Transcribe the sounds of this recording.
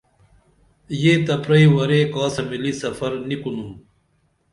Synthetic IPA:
jeːt̪ɐpɾɐiwɐɾekaːsɐmilisɐfɐɾnikunum

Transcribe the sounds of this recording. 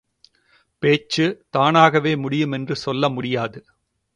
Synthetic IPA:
peːt͡ʃːɯt̪aːnaːɣɐʋeːmʊɽɪjɯmɛndrɯsɔlːɐmʊɽɪjaːðɯ

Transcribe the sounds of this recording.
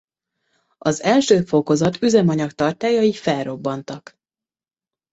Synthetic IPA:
ɒzɛlʃøːfo̞ko̞zɒt̪yzɛmɒɲɒkt̪ɒrt̪aːjɒifɛlro̞bːɒnt̪ɒk

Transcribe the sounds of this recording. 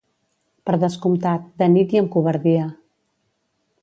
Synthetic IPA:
pəɾðəskumt̪at̪̚d̪ənit̪iəmkuβəɾðiə

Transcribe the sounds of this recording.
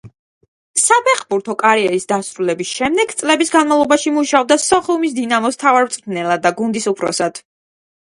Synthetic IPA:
sapʰɛχbuɾt̪ʰɔkʼaɾiɛɾisd̪asɾulɛbisʃɛmd̪ɛɡt̪sʼlɛbisɡanmalˠɔbaʃimuʃaɔb̚d̪asɔχiumis̬d̪inamɔst̪ʰavaɾmt̪sʼnɛlˠad̪ːaɡund̪isupʰɾɔ̰sad̪̥

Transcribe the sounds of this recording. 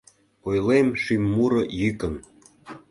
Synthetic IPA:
ojlemʃimːuɾɤ̆jykən

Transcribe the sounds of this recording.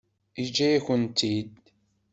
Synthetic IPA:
id͡ʒːæjæçənt̪id̪

